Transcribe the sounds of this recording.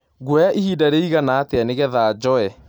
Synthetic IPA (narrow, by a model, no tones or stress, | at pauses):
ɡwɛaʔihiːdaɾeiɣanaːteaneɣɛðaːd͡ʑɔɛ